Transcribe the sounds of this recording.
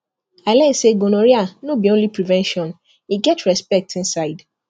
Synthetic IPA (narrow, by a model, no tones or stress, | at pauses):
alɛseɡonoɾianõbiõlipɾivɛ̃nʃɔ̃n | iɡɛtʰɹɛspɛk̚tĩnsaɪd